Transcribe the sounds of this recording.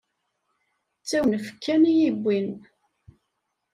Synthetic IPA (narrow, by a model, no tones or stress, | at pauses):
t͡sːæwnfə̥kːænijibʷːin